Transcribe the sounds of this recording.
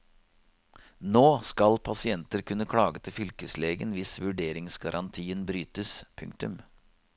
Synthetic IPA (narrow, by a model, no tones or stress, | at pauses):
noːskɑlpʰɑsɪɛnt̪əɾkʰʉnːəkʰɽɑːɡət̪ʰɪfʏlkəsleːɡənʋɪsʋʉɖeːɾɪŋsɡɑɾʔɑnt̪ʰiːənbɾyːt̪əspʰʉ̰ŋk̚t̪ʉm